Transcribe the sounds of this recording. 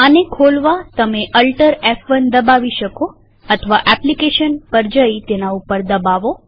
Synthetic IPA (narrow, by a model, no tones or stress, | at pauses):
ənekʰolʋat̪əmeʔəlʈəɾɛfʋənd̪əbaʋiʃəko | ət̪ʰəʋaʔɛplikeʃənpəɾd͡ʒəit̪enaupəɾd̪əbaʋo